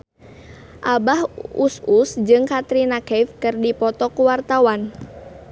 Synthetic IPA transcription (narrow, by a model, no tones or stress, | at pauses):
ʔabahususd͡ʒɨŋkat̪ɾinakɛfkɨrdipɔt̪ɔkuwart̪awan